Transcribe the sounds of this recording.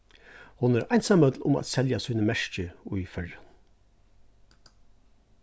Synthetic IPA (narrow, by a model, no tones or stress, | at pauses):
hʊnɛɾajnsamœt̪lʊ̰mæ̰t̪sɛljasiːnəmɛʂt͡ʃəʊjfœɹan